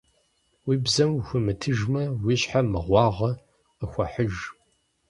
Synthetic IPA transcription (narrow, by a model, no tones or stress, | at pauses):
wiːbzɐmxʷʊmɨtʰɨʒmɐwiɕħamɨʁʷɑːʁɐ | əxʷɐħəʒ